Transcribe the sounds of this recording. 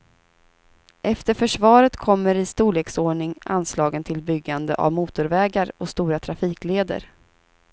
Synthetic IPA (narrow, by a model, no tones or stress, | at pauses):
ʔɛft̪əɾfœʂvɑːɾət̪kʰɔmːəɾɪst̪uːleːksoːɳɪŋa̰nslɑːɡənt̪ʰɪlbʏɡːand̪ə̰ʔa̰vmuːt̪ʊɾvɛːɡaɾɔst̪uːɾat̪ʰɾafiːkleːd̪ə̰ɾ